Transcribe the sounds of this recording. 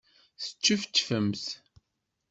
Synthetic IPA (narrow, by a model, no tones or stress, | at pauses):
θə̥t͡ʃːuft̪ːfəmθ